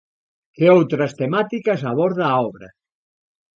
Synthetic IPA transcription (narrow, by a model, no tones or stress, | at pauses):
keowt̪ɾɐst̪emat̪ikɐsaβɔɾðaːɔβɾɐ̰